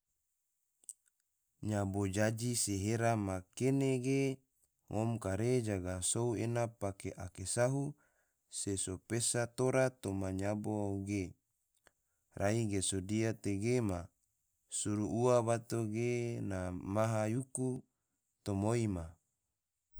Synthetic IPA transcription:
ɲabod͡ʒad͡ʒiseɦeɾamakeneɡe | ŋʔomkaɾed͡ʒaɡasouenapakeʔakesaɦu | sesopesat̪oɾat̪omaɲabouɡe | rʔaiɡesodiat̪eɡema | suɾuuaβat̪oɡenamaɦajuku | t̪omoima

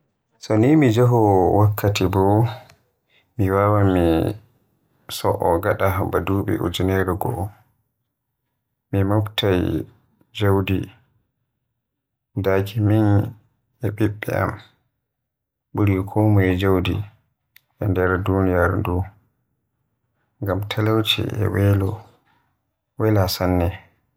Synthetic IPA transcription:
sɔnimid͡ʒaɦɔwakʰːatibɔ | miwawami | sɔʔɔɡaɗaɦabaduɓɛ̰ʔṵd͡ʒunɛɾɛɡɔ̰ | mimɔftaj | d͡ʒawdi | dakʰimin | ɛɓiɓːɛ̰a̰m | ɓuɾikʰɔmad͡ʒawdḭ | ʔɛndɛɾdunijaɾndu | ŋɡamtʰalawt͡ʃʰḭɛ̰wɛlɔ | wɛlasanːɛ

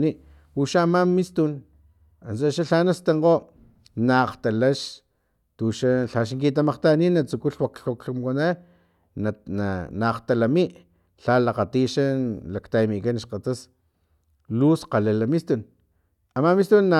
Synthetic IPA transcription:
ni | uʃaːmamist̪un | ansaʃaɬanast̪eŋqo | naqt̪alaʃ | t̪uʃaɬaʃŋkit̪amaqt̪aninat͡sukuɬwakɬokɬumkana | nnanaqt̪alamiʔ | ɬalaqat̪iʃalakt̪amikanʃqat̪as | lusqalelamist̪un | amamist̪unːa

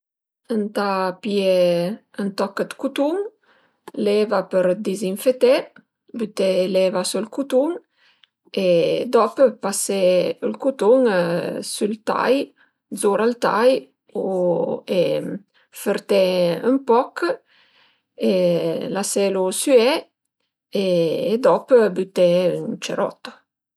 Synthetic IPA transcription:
ənt̪apje | ənt̪ɔkəd̪kut̪uŋ | lɛvapəɾd̪iziɱfet̪e | byt̪elɛvasulkut̪uŋ | ed̪ɔpəpaseəlkut̪uŋsylt̪a̰j | dzoɾalt̪a̰j | oe | fəɾt̪ɛə̰mpɔk | elasɛlosyɛ | eːd̪ɔpbyt̪ɛynt͡ʃəɾɔ̰t̪a

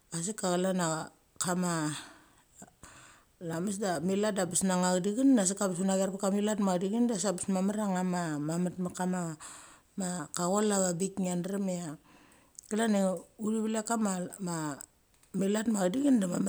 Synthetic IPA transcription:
as̬ikaɣalana | kama | lames̬damiladabisnaŋaɡdiɡinːas̬ikabisunaɡiaɾpakamilatmadiɡindasabismamaɾaŋamamamatmakama | makaɣolaɡabikŋanɾemea | kilaneuliβilakamama | milatmaɡdiɡindamam

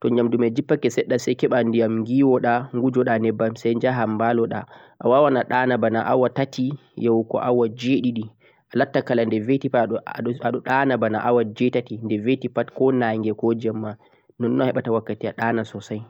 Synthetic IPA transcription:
tɔɲd͡ʒamdumɛd͡ʒipːakɛsɛɗːasajkɛɓandijamŋɡiːwɔɗaŋɡud͡ʒɔɗanɛbːamsɛjɲd͡ʒaɦambalɔɗa̰ʔa̰wawanaɗanabanaʔawatatʰijawkɔ̰ʔawad͡ʒeɗiɗi | ʔalatːakalandɛvetipaɔaɗɔɗanabanaʔawad͡ʒɛtatindɛvetipatkɔnaŋɡɛkɔd͡ʒamːa | nɔnːɔhɛɓatawakːatiaɗanasɔsaj

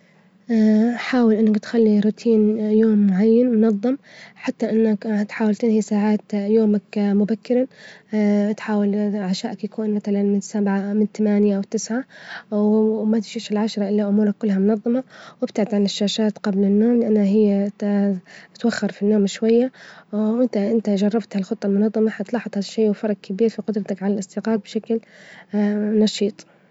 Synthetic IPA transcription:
ʔaħaːwɪlʔɪnːakt̪xalːiɾʊt̪ʰiːnjoːmːʊʕajːanmʊnɑðˤːɨmħat̪ːaʔɪnːakt̪ħaːwalt̪ɪnhisaːʕaːt̪joːmakmʊbakːɪɾˤa | t̪ħaːwalʕaʃaːʔakjakuːnmaθalanmɪnsabʕamɪnt̪amaːnjaʔwt̪ɪsʕa | mat̪ʃiːʃalʕaʃɑɾˤɑʔɪlːaʔʊmuːɾˤakːʊlːɦamʊnɑðˤːɑmɑwɪbt̪aʕɪd̪ʕanɪʃːaːʃaːt̪qɑblɪnːoːmlɪʔanːaɦɪjːa | t̪waxːɑɾˤfinːoːmʃwajːaʔɪnt̪aʔɪnt̪aʒɑrˤːɑbt̪halxʊt̪ˤːɑlmʊnɑðˤːɑmɑħat̪lɑːħɑt̪ˤhad̪ʃːeːwfɑɾˤɑɡkʰabiːɾfiqʊd̪ɾˤɑt̪akʕalalʔɪsˤd̪iːqɑːb̚bʃakl | nɑʃiːt̪ˤ

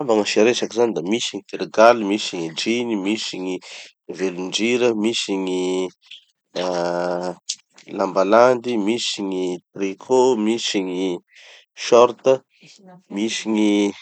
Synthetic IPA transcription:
abaŋəʃiɾesakizanid̪amisiɲit̪eɾeɡalimisiɲid͡ʒinimisiɲi | veluɳd͡ʒiɾəmisiɲi | lambaland̪imisiɲit̪rikʰomisiɲi | ʃɔɾt̪ə | misiɲi

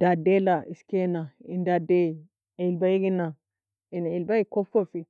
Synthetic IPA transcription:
dadelaiskenaindade | ilbajiɡina | inilbaikofofi

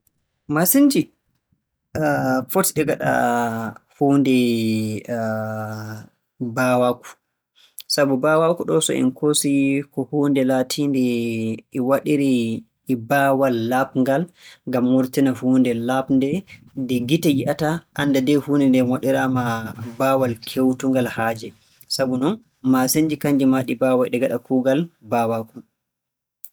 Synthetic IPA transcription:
masind͡ʒi | fotiɗɛɡaɗa̰ | huːndɛ | bawaku̥ | sabubawakuɗɔsɔ̰ḭnkʰosikɔhuːndɛlatʰindɛʔɛwaɗiɾiː | bawalːapŋɡalŋɡamːuɾtinahuːndɛlapndɛ | dɛɡitajiʔataʔanːdadɛhunɛndɛmwaɗiɾamabaːwalkʰewtuŋɡalhaːd͡ʒɛ | sabunɔn | maseɲd͡ʒikaɲd͡ʒimaɗibaːwajɗɛɡaɗakuːɡalbawaku̥

